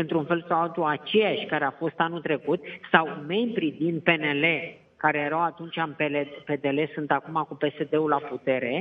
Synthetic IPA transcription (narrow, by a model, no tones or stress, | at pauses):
ɨnt̪ɾunfe̞lsawalt̪uat͡ʃe̞jaʃʲkaɾe̞afo̞st̪anut̪ɾe̞kut̪̚sawme̞mbɾid̪ind̪̚pe̞ne̞le̞ | kaɾe̞jeɾawat̪unt͡ʃʲanpelepe̞d̪e̞le̞sunt̪akumakupe̞se̞d̪e̞ulaput̪e̞ɾe̞